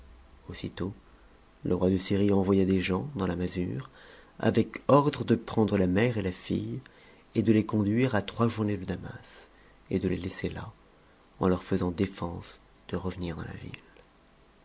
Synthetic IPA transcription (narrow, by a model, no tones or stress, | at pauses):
osit̪o | lʔəʁwad̪əsiʁiɑ̃vwajad̪eʒɑ̃d̪ɑ̃lamazy̰ʁa̰vɛkɔʁd̪ʁəd̪əpχɑ̃d̪ʁəlamɛʁelafḭj | ed̪əlekɔ̃d̪ɥiʁat̪χwaʒuʁned̪əd̪ama̰s | ed̪əlelesela̰ | ɑ̰̃lœʁfəzɑ̃d̪efɑ̃s | d̪̥əʁəvəniʁd̪ɑ̰̃la̰vḭl